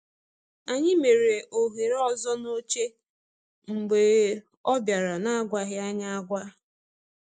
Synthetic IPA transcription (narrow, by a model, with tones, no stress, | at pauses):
a˨ɲɪ˦me˨ɾe˨ʔo˨ɦe˨ɾɔ˦zɔ˦no˦t͡ʃe˦ | ŋ͡m̩˨ɡ͡be˨ | ɔ˦bja˨ɾa˨na˦ɡʷa˦ɣɪ˦a˦ɲa˦a˦ɡʷa˦